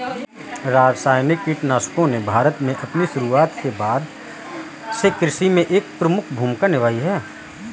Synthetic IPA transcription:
ɾaːd͡ʒsaːjnɪkːiʈnaːʃkõnebʱaːɾət̪mẽʔɐpniʃʊɾuaːt̪kebaːd̪ | sekɾɪʃimẽʔeːk̚pɾəmʊkʰbʱuːmkanɪʋaːiɦɛː

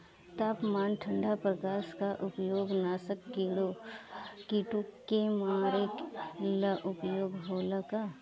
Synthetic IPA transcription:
t̪aːpmaːnʈʰə̃ɳɖapɾɐkaːskaʔʊpjoːɡnaːsəkːiːɽo | kiʈukːemaːɾeklaʔʊpjoːɡɦoːlakaː

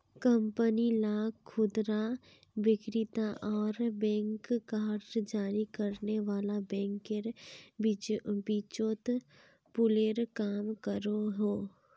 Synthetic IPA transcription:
kə̃mpənilaːkkʰːʊd̪ɾa | ʋɪkɾɪt̪aʔɔːɾbɛ̃ːŋkːaːɾʈd͡ʒaːɾikəɾneʋaːlabɛ̃ːŋkeɾ | bit͡ʃot̪ | pʊleːɾkaːmkəɾoɦoː

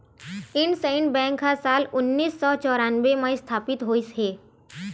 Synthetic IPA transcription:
ɪɳɖseɪɳɖbɛ̃ːŋkɦasaːlʊnːiːsːɔːt͡ʃɔːɾaːnwemast̪ʰaːpɪt̪ɦoːisɦeː

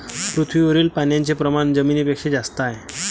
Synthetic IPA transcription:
pɾut̪ʰʋiːʋəɾiːlpanjaɲt͡sepɾəmand͡zəmiːnipekʂed͡zast̪aj

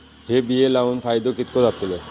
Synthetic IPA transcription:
ɦebielaunpʰajd̪okit̪kod̪ap̚t̪ʰile

